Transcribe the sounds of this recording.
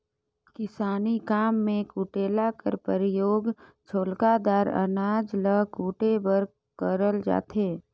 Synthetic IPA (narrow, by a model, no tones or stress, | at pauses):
kɪsaːnikaːmːẽkuːʈeːlakə̰ɾpəɾɪjoːɡ | t͡ʃʰoːlkad̪aːɾə̰naːd͡ʒləkuːʈebəɾ | kəɾəld͡ʒa̰ːt̪eː